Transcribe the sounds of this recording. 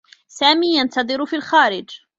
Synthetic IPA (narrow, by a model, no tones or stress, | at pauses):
saːmiːjant̪ɑðˤɨɾʊfiːlxaːɾɪd͡ʒ